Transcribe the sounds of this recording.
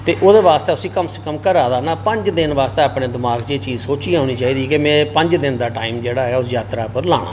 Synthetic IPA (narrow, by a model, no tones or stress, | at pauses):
t̪eːʔoːd̪eːʋaːst̪eːʊsĩːkəmsekəmkəɾaːd̪aːnãːpəɲd͡ʒd̪ɪnʋaːst̪eːəpɽeːd̪ɪmaːɡt͡ʃeːt͡ʃiːzsoːt͡ʃiːɦõːniːt͡ʃaːiːd̪iːkɪmɛ̃ːpəɲd͡ʒd̪ɪnd̪aːʈaːimd͡ʒeːɽaːɦɛːʊsjaːt̪ɾaːpəɾla̰ːɽ̃a̰ː